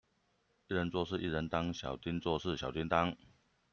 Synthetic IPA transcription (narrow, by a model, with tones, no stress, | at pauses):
i˥˩ɻə˧˦nt͡swɔ˥˧ʂɻ̩˥˧ʔi˥˩ɻə˧˦nt̪ɑ˥ŋɕjɑ̰˨˩ʊt̪i˦˥nt͡swɔ˥˧ʂɻ̩˥˩ɕjɑ˨˩ʊt̪i˥nt̪a˥ŋ